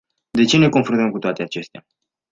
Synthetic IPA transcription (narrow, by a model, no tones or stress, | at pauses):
d̪e̞t͡ʃe̞ne̞ko̞nfɾunt̪əmkut̪oat̪e̞at͡ʃe̞st̪ea